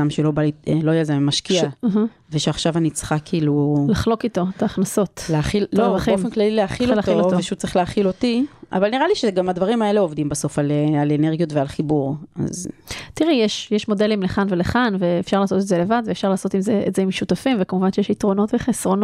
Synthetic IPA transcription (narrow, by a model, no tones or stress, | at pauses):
amʃelo̞balieloajelzemmaʃkiam̩ɦ̩ | veʃaχʃavanit͡sχakʰiiːlulaχlo̞kito̞t̪aːχnaso̞tleaχilloaχiomenklalileaχiolalooveʃut͡sɐʁiχleaχilo̞tia̰valniʁaliʃeɡamadvaʁimae̞leo̞vd̪imbaso̞falealeneʁɡijotvealχibuʁa̰ztiʁɛjeʃjeʃmo̞de̞limleχanveleχanveːfʃaʁlaːso̞t̪etzele̞vad̪veːfʃaʁlaːso̞t̪imzeetzeimʃutafimvekamuvanʃejeʃitʁo̞no̞tveχesʁo̞n